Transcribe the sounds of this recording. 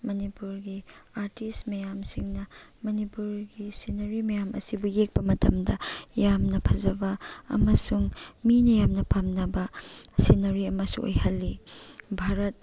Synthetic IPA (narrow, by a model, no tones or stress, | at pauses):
mɐnipuɾɡiaɾtistmɐjamsiŋnɐ | mɐnipuɾɡisinɐɾimɐjamʔɐ̰sibujek̚pɐmɐtʰɐ̰mdɐjamnɐpʰɐzɐbɐɐ̰mɐsuŋminɐjamnɐpamnɐbɐsinɐɾiɐmɐsṵŋʔo̰jhɐlːibʱaɾɐt̚